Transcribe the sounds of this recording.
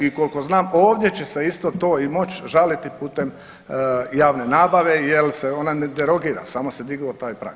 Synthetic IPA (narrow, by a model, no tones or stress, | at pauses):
iko̞lko̞znaːmoːʋd̪je̞t͡ɕe̞seist̪o̞t̪o̞ːimo̞t͡ɕʒalit̪ipuːt̪e̞m | jaːʋne̞naːbaʋe̞jelseo̞naned̪eɾo̞ɡiːɾa̰saːmo̞sed̪iɡot̪aːjpɾa̰k